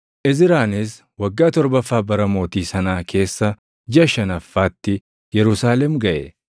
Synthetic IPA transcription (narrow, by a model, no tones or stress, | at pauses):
ʔɪzɪɾaːnɪs | wɐɡːaːt̪ɔɾbɐfːaːbɐɾɐmo̞ːt̪iːsɐnaːkʰe̞ːsːɐ | d͡ʒɪɐʃɐnɐfːaːt̪ːɪ | jɛɾʊsaːlɛmɡɐʔɛ